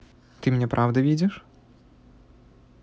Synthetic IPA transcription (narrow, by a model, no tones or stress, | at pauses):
t̪ɨmʲnʲɛpɾʔavd̪ɐvʲid͡zʲɪʂ